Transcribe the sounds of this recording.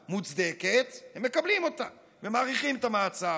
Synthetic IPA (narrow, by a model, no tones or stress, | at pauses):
mut͡sd̪eket̪hemːe̞kablimo̞t̪a | vemaːʁiχimet̪amaːt͡sa